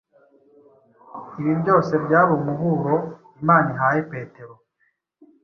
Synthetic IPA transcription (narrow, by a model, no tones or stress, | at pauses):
iβibɟo̞ːse̞bjaːβomuɦuɾo̞ | imaːniɦajepe̞ːte̞ɾo